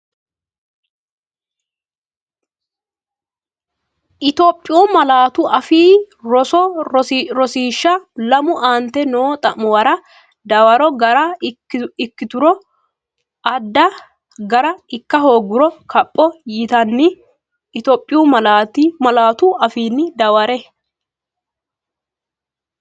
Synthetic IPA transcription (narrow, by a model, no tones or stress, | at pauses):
ʔɪt̪oːpʼːɪjuːmɐlaːt̪ʊʔɐfiː | ɾɔsɔ | ɾɔsiːʃːɐlɐmʊʔaːnt̪ɛnoːt̪ʼɐʔʊwɐɾɐ | d̪ɐwɐɾɔɡɐɾɐ | ɪkːɪt̪ʊɾɔ | ʔɐd̪ːɐ | ɡɐɾɐɪkːɐɦoːɡːʊɾɔkʰɐpʼːɔjɪt̪ɐnːɪ | ɪt̪oːpʼːɪjuːmɐlaːt̪imɐlaːt̪ʊʔɐfiːnːɪd̪ɐwɐɾɛ